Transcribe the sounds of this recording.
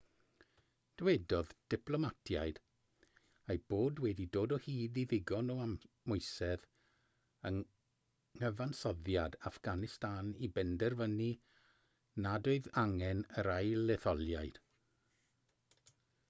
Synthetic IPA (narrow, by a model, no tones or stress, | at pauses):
d̥wɛdɔðd̥ɪpʰlˠɔmatʰja̰jd̥ | ajb̥oːdwɛdidoːdɔhiːdiðɪɡɔnɔammʊɨsɛð | əŋ | əvansɔðjadafɡ̥anɪstaːnibɛndɛrvəni | nadoɨðaŋɛnəɾajlɛθɔlˠjajd̥